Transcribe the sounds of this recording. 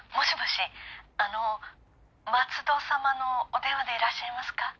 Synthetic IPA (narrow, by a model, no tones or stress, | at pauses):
mo̞ɕiboɕiano̞ | mat͡sɨd̪o̞ːsamano̞ːt̪ẽ̞βad̪e̞iɾaɕːaimasɨ̥ka